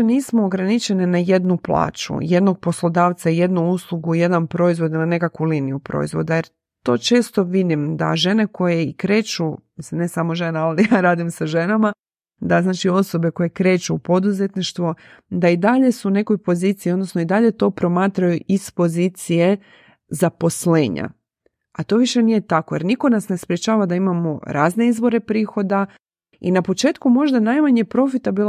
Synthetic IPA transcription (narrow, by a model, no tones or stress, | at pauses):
niːsmoːɡɾanit͡ʃe̞nenajed̪nuplˠa̰ːt͡ʃṵje̞d̪no̞ɡ̚po̞slˠo̞d̪aːʋt̪saije̞d̪nuuslˠuɡuje̞d̪anpɾo̞izʋo̞d̪iline̞kakʋuliːnijupɾo̞̰izʋo̞̰d̪ajeɾ | t̪o̞ːt͡ʃe̞ːst̪o̞ʋid̪imd̪a̰ʒe̞ne̞ko̞jeikɾe̞ːt͡ʃumisimne̞samo̞ʒe̞naalijaːɾaːd̪imsaʒe̞nama | d̪aznaːt͡ʃio̞so̞be̞ko̞je̞kɾe̞ːt͡ʃupo̞d̪uze̞t̪niʃt̪ʋo | d̪aid̪aʎe̞sune̞ko̞jpo̞ziːt̪siio̞d̪no̞snoid̪aʎe̞t̪o̞ːpɾo̞maːt̪ɾajuʔispo̞ziːt̪sije̞ | zapo̞sle̞ːɲa̰ | at̪o̞ːʋiʃe̞nije̞t̪akoje̞ɾniko̞nasne̞spɾjet͡ʃaːʋad̪aimamo̞ɾaːzne̞izbo̞ɾe̞pɾiːxo̞d̪a | inapo̞t͡ʃe̞ːt̪kumo̞ʒd̪anajmaɲepɾo̞fit̪abil